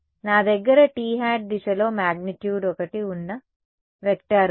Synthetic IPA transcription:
naːd̪ɐɡːɐɾɐʈiːɦaːʈ̚d̪iʃɐlo̞ːmaːɡniʈjuːɖɔkɐʈiunːɐ | ʋek̚ʈaːɾu

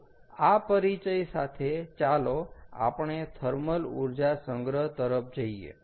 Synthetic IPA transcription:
apəɾit͡ʃəjsat̪ʰet͡ʃaloa̰pɳ̃et̪ʰəɾməlṵɾd͡ʒasəŋɡɾəɦt̪əɾəpʰd͡ʒəiḛ

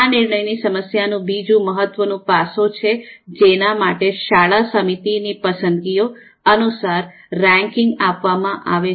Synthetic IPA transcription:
anɪɾɳəjnisəməsjanũbid͡ʒũməɦət̪ːʋənũpasõt͡ʃʰed͡ʒenamaʈeʃaɭasəmit̪inipəsənd̪ɡio | ənusaɾː | ɛ̃ŋkɪŋɡapʋamãʔaʋe

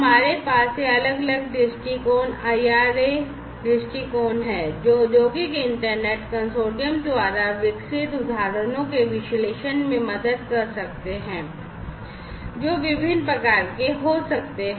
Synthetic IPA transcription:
ɦɐmaːɾepaːsːeɐləɡɐləɡɖɪsʈikoːnaːiaːɾe | ɖɪsʈikoːnɦɛ̃ːd͡ʒoːd̪joːɡikeɪ̃ɳʈəɾneːʈkɐ̃nsoːɖijəmd̪ʋaːɾaʋɪksɪt̪ʊd̪ʱaːɾənõkeʋɪʃleːʃənmẽmɐd̪əd̪̚kɐɾsɐk̚t̪eɦɛ̃ː | d͡ʒoːʋɪbʱɪnpɾɐkaːɾkeɦosɐkt̪eɦ

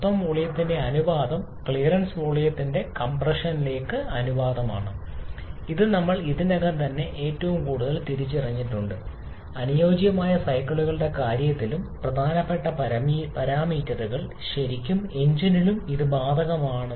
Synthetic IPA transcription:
t̪ːɐmʋuɭijɐt̪ːinde̞ɐnuʋaːd̪ɐm | kɭijrɐnsʋuɭijɐt̪ːinde̞kɐmprɐʂɐnile̞ːkːɨɐnuʋaːd̪ɐma̰ːɳɨ | iðɨnɐmːɐɭiðinɐɣɐnt̪ɐnːe̞ʔeːtːɐʋumkuːɽuðɐlt̪iɾit͡ɕːirɐɲːiʈːuɳɖɨ | ɐnujoːd͡ʑjɐmaːjɐsɐjkːɐɭuɣɐɭɨɽe̞kaːɾjɐt̪ːilumprɐd̪ʱaːnɐpːe̞ʈːɐpɐpɐɾaːmiːtːɐðuɣɐɭ | ɕɐɾikʲːume̞ɲd͡ʑinilumiðɨbaːd̪ʱɐɣɐmaːɳɨ

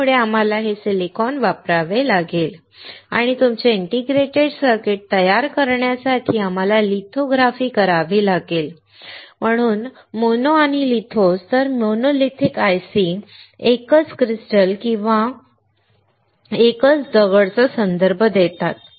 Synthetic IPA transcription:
uɭeam̤alaɦesilikɔnʋapɾaʋelaɡel | a̰ɽ̃it̪umt͡seiɳʈiɡɾeʈeɖsəɾkeʈ̚t̪əjaɾkəɾɳjasaʈʰiːam̤alalit̪ʰoɡɾafiːkəɾaʋiːlaɡel | m̤əɽ̃uːn | monoaɽ̃ilit̪ʰost̪əɾmonolit̪ʰikajsiekət͡skɾisʈəlkĩw̃ʋa | ekət͡sd̪əɡəɭt͡sɔsənd̪əɾbʱəd̪et̪at̪

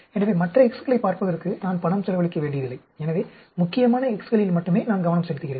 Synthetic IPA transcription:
ɛnɐʋeːmɐʈrɐɛkskɐlɐɪpaːɾpɐɣɐɾɯkːɯnaːnpɐɳɐmsɛlɐʋɐɭɪkːɐʋeːɳɖɪjɐðɪlːɐɪɛnɐʋeː | mʊkːɪjɐmaːnɐɛkskɐlɪjɪlmɐʈːɯmeːnaːnɡɐʋɐnɐmsɛlɯt̪ːɯɣɪreː

